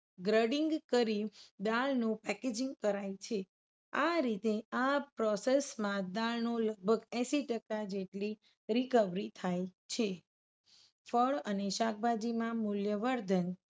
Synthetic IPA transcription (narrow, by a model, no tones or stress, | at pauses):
ɡɾəɖiŋɡkəɾid̪alnũpɛked͡ʒĩŋɡkəɾajt͡ʃʰe | aɾit̪eapɾɔsesmãd̪alnoləɡ̚bʱəɡɛ̃siʈəkad͡ʒeʈli | ɾikəʋɾit̪ʰajt͡ʃʰe | fʰəɭəneʃak̚ʰbʱad͡ʒimãmʊljəʋəɾd̪ʱən